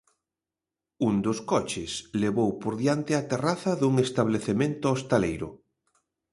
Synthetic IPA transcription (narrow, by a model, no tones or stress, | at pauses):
und̪oskɔt͡ʃɪsleβowpoɾðjant̪ɪat̪eraθɐðuŋest̪aβ̞leθemẽnt̪ʊost̪alejɾʊ̰